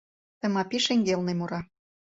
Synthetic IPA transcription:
t̪ə̆mɑpiʃeŋɡelnemuɾɑ

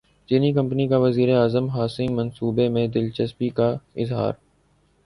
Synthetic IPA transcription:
t͡ʃiːnikɐ̃mpnikaʋɐziːɾeaːzəmɦaːsɪ̃ŋɡmɐ̃nsuːbemẽd̪ɪlt͡ʃɐspikaɪzɦa̰ːɾ

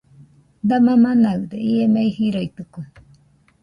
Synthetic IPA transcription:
d̪amãmanaɯd̪eiemeihiɾoit̪ɯke

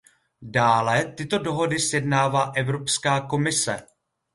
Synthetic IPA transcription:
daːlɛt̪ɪt̪o̞doɦo̞dɪsjɛdnaːvaːʔɛvɾo̞pskaːko̞mɪsɛ̰

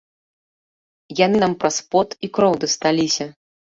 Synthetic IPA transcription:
janɨnampɾaspɔt̪ikɾɔwd̪ɐst̪alʲisʲɐ

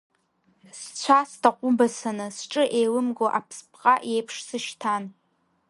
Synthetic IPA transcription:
st͡ɕʷʰastʰaqʷʼʊbasanɨsʈ͡ʂʼɨʔejlɨmɡoʔapʰspʰqʼaʔejpʰʂsɨʃtʰan

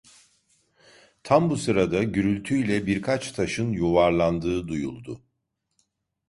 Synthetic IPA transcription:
t̪ʰambusɯɾad̪aɟyɾylʲt̪ʰyilʲɛbiɾkʰat͡ʃt̪ʰaʃɯnjuvaɾlˠand̪ɯːd̪ujṵlˠd̪ʊ

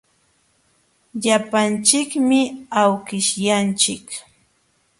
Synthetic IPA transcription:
ʎapant͡ʃɪkmɪawkɪʃjant͡ʃɪk

